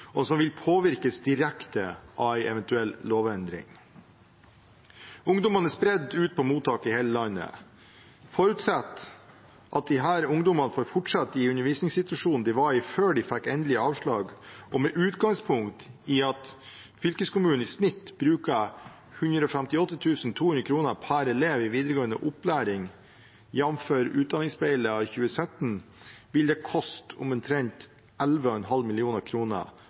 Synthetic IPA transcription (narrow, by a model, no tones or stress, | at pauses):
ɔsɔmʋɪlpʰoːʋɪɾkəsd̪ɪɾækt̪əʔɑʋæɪʔɛʋɛnt̪ʉɛlːloːʋɛnd̪ɾɪ̰ŋ | ʊŋd̪ɔmɑnəspɾɛd̪ːʉːt̪̚pʰɔmuːt̪ʰːɑːkəɪhɛːləlɑnə̰ | fɔɾʉt̪sɑt̪ː | ʔɑt̪̚d̪ɪɦæːɾʊŋd̪ɔmɑnəfoːɾfʊʈʂɑt̪ːɪʉnːəɾʋiːsnɪŋsɪt̪ʉʋɑʂuːnn̩d̪ɪʋɑɾɪføːɖɪfækːɛnd̪lɪɑːʋʂɭɑːɡʔɔmɛʔʉːt̪ɡɑŋspʰʊŋkt̪ɪɑt̪ | fʏlkəskʊmʉːn̩ɪsnɪt̪ːbɾʉːkə | hʉnd̪ɾəɔfɛmt̪ɪɔt̪ːət̪ʰʉːsn̩t̪ʰuːʉnɾəkʰɾuːnəpʰæɾɛleːʋɪʋiːd̪əɾəɡoːənə̰ʔʊplæːɾɪŋ | jɛnmføːɾʉːt̪̚d̪ɑnɪŋsbɛɪləɑçʉːəsœt̪n̩ | ʋɪld̪ɛkʰɔst̪ʰʊmɛnt̪ʰɾɛɲt̪ | ɛlʋəɔɛnɦɑlmɪlɪuːnəɾkʰɾuːnə̰